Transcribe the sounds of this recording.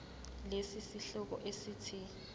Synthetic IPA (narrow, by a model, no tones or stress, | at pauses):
lesisiɬɔk̬ɔ̰ʔesiːtʰi